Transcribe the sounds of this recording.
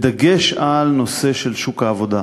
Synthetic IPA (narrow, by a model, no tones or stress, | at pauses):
d̪aɡe̞ʃalno̞se̞ʃe̞lʃukaːvo̞d̪a